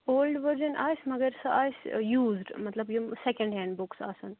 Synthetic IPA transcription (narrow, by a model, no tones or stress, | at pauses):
oːlɖʋəɾd͡ʒənʔa̰ːjsmɐɡəɾsɐʔaːjsjuːzɖmɐt̪lɐbjumsɛkə̃ɳɖɦɛ̃ːɳɖbʊksa̰ːsɐn